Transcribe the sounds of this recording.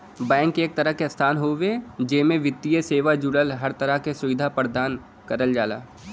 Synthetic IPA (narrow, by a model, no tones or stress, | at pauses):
bɛ̃ːŋkeːk̚t̪ɐɾəɦkeɐst̪ʰaːnɦoːʋed͡ʒeːmẽʋɪt̪ːijəseːʋad͡ʒʊɽəlɦɐɾt̪ɐɾəɦkesʊʋɪd̪ʱapəɾd̪aːn | kɐɾəld͡ʒaːla̰ː